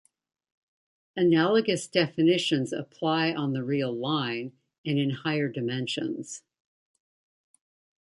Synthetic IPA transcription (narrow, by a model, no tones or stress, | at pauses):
ɨnælˠəɡɨsd̥ɛfɨnɪʃɨ̃nzɨ̰pʰl̥aɪʔə̃nðɨɹilˠlãɪ̃n | ɨ̃nɨ̃nhaɪə˞dɨmɛ̃nʃɨ̰̃nz̥